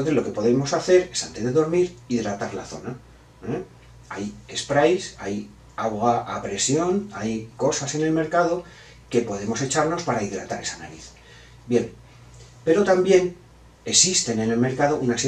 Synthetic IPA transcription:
onθe̞zlo̞ke̞po̞ðe̞mo̞saθe̞ɾe̞sant̪e̞zðe̞ðo̞ɾmiɾiðɾat̪aɾla̰θo̞̰na | e | aje̞spɾajsaj | awɣaʔapɾe̞sjo̞najko̞sase̞ne̞lme̞ɾkað̞o̞ | ke̞po̞ðe̞mo̞se̞t͡ʃaɾno̞spaɾaiðɾa̰t̪aɾe̞sanaɾiθ | bje̞m | pe̞ɾo̞t̪ambje̞n | e̞sist̪e̞ne̞ne̞lme̞ɾkað̞o̞ʔunase

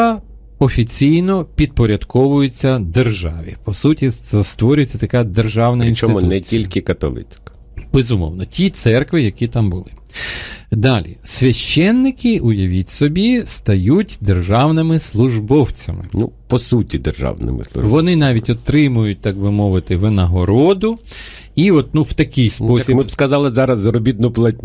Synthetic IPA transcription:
ɔfʲit͡sʲijnɔpʲid̪̚pɔɾʲɐd̪kɔʋʊjʊt͡sʲːɐd̪erʒɑʋʲḭpɔsutʲiɛst̪ʋɔɾʲʊjet͡sʲːɐt̪ɐkɑd̪erʒɑwnɐinst͡ʃ̪ɔɪtmʊnɛilʲkʲɪkɐt̪ɔ̰lˠɪ̰t͡sʲkɐ̥ | b̥ezʊmɔ̰wnɔtʲit̪sɛrkʋɪjɐkʲit̪ɑmbʊlˠɪ | d̪ɑlʲḭsʲʋʲɐʃt͡ʃːɛnːɪkɪʊjɐʋʲitʲsɔbʲist̪ɐjutʲd̪erʒɑwnɪmɪslˠʊʒbɔwt͡sʲɐmɪ̰nṵpɔsutʲid̪erʒɑ̰wnɪ̰mɪ̰slˠʊ̰ʒʋɔnɪnɑʋʲitʲɔt̪ɾɪmʊjʊt̚ʲt̪ɑɡ̚bɪmɔʋɪt̪ɪʋɪnɐɦɔɾɔd̪ʊ | iɔt̪nuwt̪ɐkɪjspɔsjɐimɪskɐzɑlˠɪzɑɾɐsɐɾɔbʲid̪̚nʊplˠɐtʲnʲ

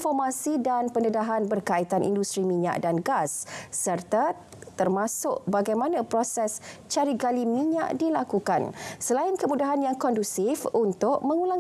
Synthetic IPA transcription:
fɔrmãsidanpəndədaɦanbərkait̪anʔḭndust̪ɾimĩɲa̰ʔdanɡasːərt̪a | t̪ərmãsʊʔ̚baɡajmãnãpɾɔsɛst͡ʃaɾiɡalimiɲã̰ʔdilakukansəlaɪnkəmũdaɦanjaŋkɔndusɪfunt̪ʊʔ̚mə̃ŋulaŋ

